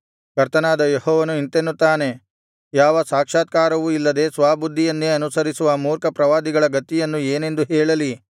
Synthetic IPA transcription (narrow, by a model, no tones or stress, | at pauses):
kɐɾt̪ɐnaːd̪ɐjehɔːʋɐnuint̪enːut̪ːaːne̞ | jaːʋɐsaːkʂaːt̪̚kaːɾɐʋuilːɐd̪e̞ːsʋaːbud̪ʱːijɐnːeɐnusɐɾisuʋɐmuːɾkɐpɾɐʋaːd̪iɡɐɭɐɡɐt̪ːijɐnːueːne̞nd̪uɦɛːɭɐli